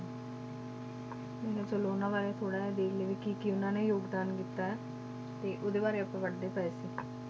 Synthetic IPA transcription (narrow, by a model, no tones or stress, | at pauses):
eːɦɛt͡ʃoloːnãːʋaːɾet̪ʰoːɽaːɦɛd̪eːkʰleːʋiːkikɪʊnãːneːjoːɡd̪aːnkit̪ːaːɛː | t̪eːʔoːd̪eːbaːɾeːəpãːʋəɖɖeːpɛeːsiː